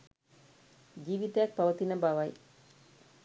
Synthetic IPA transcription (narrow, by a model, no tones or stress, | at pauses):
d͡ʒiːʋit̪əjak̚paʋət̪inəbaʋaj